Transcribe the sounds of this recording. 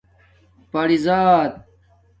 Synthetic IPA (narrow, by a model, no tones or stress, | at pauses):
pɐɽizaːt̪̚